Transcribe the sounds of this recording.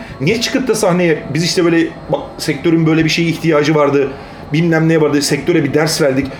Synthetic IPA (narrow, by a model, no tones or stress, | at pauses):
nɛt͡ʃʰɯ̥kʰɯt̪̚t̪ːasaxnejɛbiziʃt̪ʰɛbø̞ːlʲɛ | bak̚sɛc̚t̪ʰø̞ɾynbø̞jlʲɛbiʃe̞jiːçt̪ʰijaːd͡ʒɯvaɾd̪ɯ | binlʲæmlʲɛjɛvaɾd̪ɯsɛc̚t̪ʰøɾɛbid̪æɾsvæɾd̪ic